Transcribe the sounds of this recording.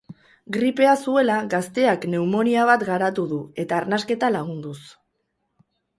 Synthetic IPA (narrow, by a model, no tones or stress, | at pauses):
ɡɾipe̞asue̞laɣast̪e̞akne̞umo̞niaβ̞at̪ɡaɾat̪uðue̞t̪aːɾnaske̞t̪alaɣ̞und̪us